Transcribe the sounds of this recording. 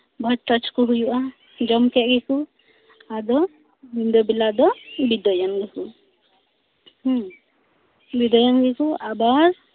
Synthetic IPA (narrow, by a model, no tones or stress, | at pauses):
bʱɔt͡ʃt̪at͡ʃkɔɦujuʔa | d͡ʒɔmkɛʔ̚ɡɛku | ad̪ɔ | mind̪ɔbilad̪ɔbid̪ɔjanɡɛku | h | bid̪ɔjanɡɛkuʔabaɾ